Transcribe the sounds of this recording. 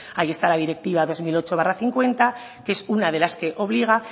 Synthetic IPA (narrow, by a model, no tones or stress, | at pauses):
ajie̞st̪alaðiɾe̞k̚t̪iβ̞aðo̞zmilo̞t͡ʃo̞βaraθiŋkwe̞nt̪a | ke̞sunað̞e̞laske̞ʔo̞β̞liɣ̞a